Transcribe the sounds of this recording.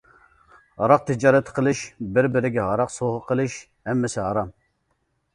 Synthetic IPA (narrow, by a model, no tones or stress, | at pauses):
ɑɾɑq̚t̪ʰɪd͡ʒɑːɾɛt̪ʰqʰəlˠɨʃbɪɾbɪɾɪɡʲɛɦɑɾɑqsoʁəqʰəlˠɨʃ | hɛmːɪsɪɦɑɾɑm